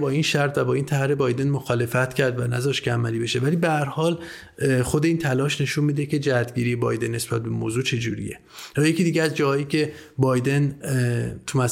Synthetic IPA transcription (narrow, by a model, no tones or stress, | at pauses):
bɒːinʃæɾt̪væbɒːint̪ʰæɾe̞bɒːjd̪e̞nmoxɒːle̞fæt̪cʰæɾd̪vænæ̰zɒːʃt̪kʰeæmæliːbe̞ʃe̞væliːbehæɾhɒːl | xod̪e̞iːnt̪ʰælɒːʃne̞ʃunmiːd̪ece̞d͡ʒææt̪ɟiːɾijebɒ̰ːjd̪e̞nːe̞sb̥æt̪̚be̞moːzuːt͡ʃʰe̞d͡ʒuːɾḭje̞̰ | jɒːje̞ciːd̪iɟeæzd͡ʒɒːhɒːjiːcʰe̞bɒːjd̪e̞n | t̪ʰumæs